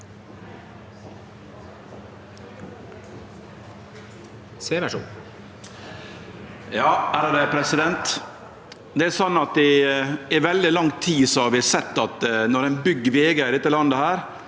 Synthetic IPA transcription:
seːʋæʂṵːn | jɑːæɾəd̪ɛpʰɾɛsɪd̪ɛnt̪ | d̪ɛæsɔnːɑt̪d̪ɪɛʋɛld̪ɪlɑŋt̪ʰiːsɔɑʋɪsɛt̪ːɑt̪nɔɾɛnbʏɡːəʋeːɡəɪd̪ɛt̪ːəlɑnd̪əhæːɾ

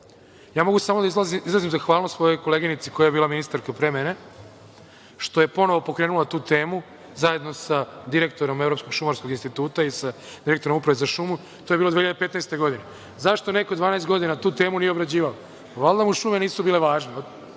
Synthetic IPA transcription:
jaːmo̞ɡusamo̞d̪aizazizlˠazimzaxʋaːlnosʋo̞jo̞jkoleɡinit̪siko̞jaje̞biːlˠaminist̪aɾkapɾemene | ʃt̪o̞je̞po̞noʋopo̞kɾeːnulˠat̪uːt̪e̞ːmu | zaje̞d̪no̞sad̪iɾe̞k̚t̪o̞ɾo̞mevɾo̞psko̞ɡʃumaɾsko̞ɡinst̪it̪uːt̪aisa | d̪iɾe̞k̚t̪o̞ɾomupɾaʋezaʃumu | t̪ojeilod̪eiʎjad̪epet̪najst̪eɡo̞d̪ine | zaʃt̪one̞kod̪ʋaːnaest̪ɡod̪inat̪uːt̪e̞ːmunijeobɾad͡ʑiːʋalo | ʋalˠd̪amuʃuːme̞niːsubiːle̞ʋaːʒne

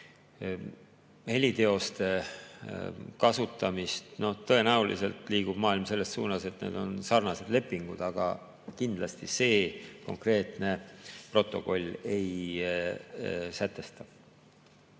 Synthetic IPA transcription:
he̞lʲit̪e̞o̞st̪e̞ | kɑsut̪ːˑɑmist̪no̞ht̪ɤ̞e̞næulḭse̞lt̪liːɡ̥ub̥mɑːilmse̞lːe̞ssuːnɑse̞t̪nḛːd̪̥o̞̰nsɑrnɑse̞d̪le̞pːˑiŋɡ̥ud̪̥ɑɡ̥ɑ̰ | kind̪lɑst̪ise̞ːko̞̰ŋkre̞ːt̪ne̞pro̞t̪ːˑo̞̰ko̞lʲːe̞j | sæt̪ːˑe̞st̪ɑ̥

